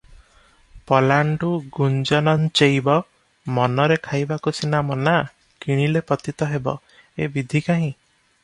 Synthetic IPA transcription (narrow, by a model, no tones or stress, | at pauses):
pɔlaɳɖuɡund͡ʒɔnɔnt͡ʃejbɔ | mɔnɔɾekʰajbakusinamɔna | kiɽ̃ilepɔt̪it̪ɔɦebɔ̰ | ebid̪ʱikaɦĩ